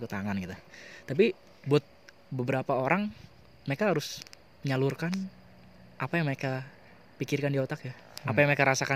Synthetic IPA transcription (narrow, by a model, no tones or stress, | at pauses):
kət̪aŋanɡit̪ut̪ap̬i | buat̪̚ | bəbəɾapaoɾaŋ | məɾekaɦaɾʊs | ɲalʊrkan | ʔapajaŋməɾeka | pikɪrkandiot̪akja | apajaŋməɾekaɾasaka